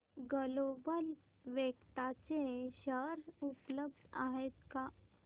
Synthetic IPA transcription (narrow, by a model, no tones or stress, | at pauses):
ɡəlobəl | ʋekt̪at͡ɕeɕəɾupləbd̪ʱa̰ɦet̪ka